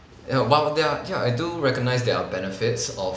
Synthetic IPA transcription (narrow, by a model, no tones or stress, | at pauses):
awadɛjaajduɹɛkɔɡ̚naɪsdɛbɛnəfɪtsɔ